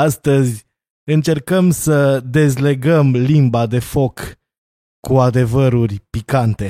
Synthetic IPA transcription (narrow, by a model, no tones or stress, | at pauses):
ast̪əzʲ | ɨnt͡ʃe̞rkəmsəd̪e̞zle̞ɡəmlimbad̪e̞fo̞k | kːuad̪e̞vəɾurʲpikant̪e̞